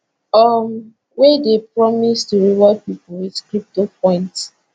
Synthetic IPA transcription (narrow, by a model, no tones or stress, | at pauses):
ɔm | wedepɹɔmistuɹiwɔpipuwidkɹip̚topɔ̃ɪ̃nts